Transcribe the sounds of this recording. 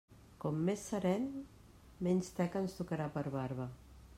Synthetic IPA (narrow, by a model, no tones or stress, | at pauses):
kɔmːesːəɾɛn | mɛnʲst̪ɛkənst̪ukəɾapəɾβaɾβə